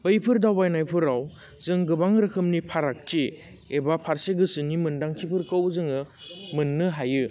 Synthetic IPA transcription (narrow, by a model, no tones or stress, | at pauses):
bɯjpʰɯɾdawbajnajpʰɯɾaw | zɯŋɡɯbaŋɾɯkʰɯmnipʰaɾak̚ti | ebapʰaɾseɡɯsɯnimɯndaŋtʰipʰɯɾkɯwzɯŋɯ | mɯnːɯɦajɯ